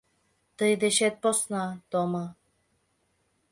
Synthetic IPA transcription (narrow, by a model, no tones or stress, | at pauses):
t̪ɤjd̪eʃet̪̚posnat̪omɤ